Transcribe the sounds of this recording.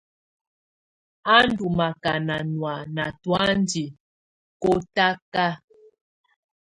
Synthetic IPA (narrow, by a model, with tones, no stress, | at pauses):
a˦ndu˨ma˨ka˨na˨nwa˨na˨twa˦ndi˨ | kɔ˦ta˦ka˦